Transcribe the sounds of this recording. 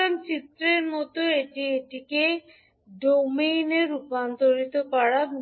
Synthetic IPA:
ant͡ɕit̪ːɾeɾmɔt̪oeʈieʈike | ɖomejneɾupant̪oɾit̪opaɽa

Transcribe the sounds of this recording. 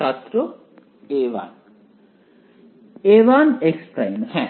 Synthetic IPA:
aːt̪ɾo | eːʋa̰ːn | eːʋaːneksʈɾɐjmhɛ̃

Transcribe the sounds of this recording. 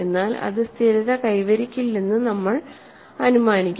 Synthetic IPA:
enːaːlɐ̰ðɨst̪ʰiɾɐðɐkɐjʋɐɾikʲːilːenːɨnɐmːɐɭ | ɐnumaːnikʲː

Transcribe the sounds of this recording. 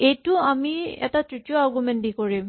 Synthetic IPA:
ejtʊamiɛ̰tatɹitijoaɹɡumɛndikoɹim

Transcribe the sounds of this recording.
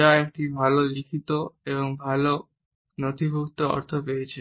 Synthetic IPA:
aek̚ʈibʱalolikʰit̪oeβoŋbʱalo | not̪ʰibʱuk̚t̪oɔ̰ɾt̪ʰopejet͡ɕʰe

